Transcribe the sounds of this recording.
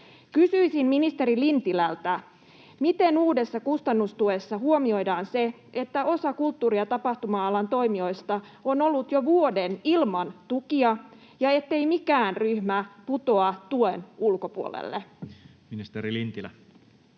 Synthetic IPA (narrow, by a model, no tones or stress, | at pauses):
kysyisimminist̪e̞ɾilint̪ilælt̪æ | mit̪e̞nuːde̞sːɑkust̪ɑnːust̪uesːɑhuomio̞jdɑːnse̞ | ʔe̞t̪ːæʔo̞sɑkult̪ːuːɾiɑt̪ɑpɑht̪umɑɑlɑnt̪o̞imio̞jst̪ɑ | ono̞lːut̪jo̞ʋuo̞de̞nilmɑnt̪ukiɑ | jɑe̞t̪ːejmikæːnryhmæput̪o̞ɑt̪uenulko̞puo̰lḛlːe | minist̪eɾilint̪ilæ̰